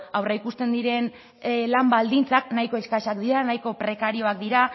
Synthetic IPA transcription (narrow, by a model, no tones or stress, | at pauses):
awreikust̪e̞nd̪iɾe̞n | lambald̪int͡saknajko̞eskaʃakd̪iɾanajko̞pɾe̞kaɾio̞ak̚d̪iɾa